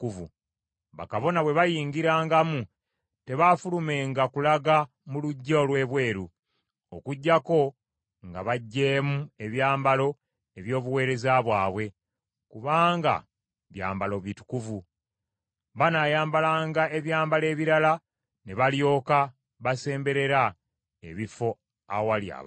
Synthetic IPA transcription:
kuvṵ | βa̰kaβo̞naβwe̞βajiːŋɡiɾaːŋɡamu | te̞βafulume̞ːŋɡakulaɡa | muluɟːolwe̞ːβwe̞ːɾu | o̰kuɟːako̞ | ŋɡa̰βaɟːeːmue̞βjaːmbalo̞ | e̞βjo̞ːβuwe̞ːɾe̞zaβwaːβwe̞ | kuβaːŋɡa̰ | βja̰ːmbalo̞βitu̥kuvu | βanajaːmbalaːŋɡae̞βjaːmbale̞ːβiɾala | ne̞βaljo̞ːka | βase̞ːmbe̞ɾe̞ɾa | ḛβifo̞ | awalja̰β

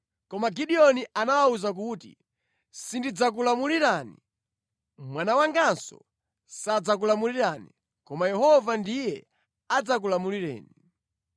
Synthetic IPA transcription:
kɔmaɡiɗiɔniʔanawauzak̬uːtḭ | sindid͡zak̬ulamuliɾaːnḭ | mwanawaŋɡansɔ̰ | sad͡zakulamuliɾani | kɔmajɛɦɔvandijɛ | ad͡zak̬ulamuliɾɛ̰ːni

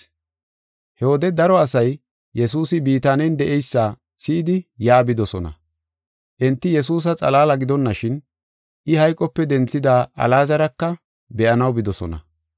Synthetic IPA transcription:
hɛwɔd̪ɛd̪ɐɾɔɐsɐj | jɛsuːsɪbiːt̪aːnɛjnd̪ɛʔɛjsːaː | sɪːd̪ɪjaːbɪd̪ɔsɔnɐ̰ | ʔɛnt̪ːɪjɛs̬uːs̬ɐt͡sʼɐ̰laːlɐɡɪd̪ɔnːɐʃɪn | ʔɪhɐjkʼɔpːɛd̪ɛnt͡sːɪd̪aːʔɐ̰laːzɐɾɐkːɐ | bɛʔɐnɐwbɪd̪ɔsɔ̰nɐ̰

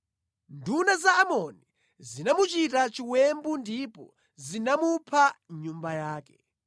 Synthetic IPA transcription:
ndunazaːmɔni | zinamut͡ʃitat͡ʃiwɛmbundipɔ̰ | zinamupʰaɲumbajaːkɛ

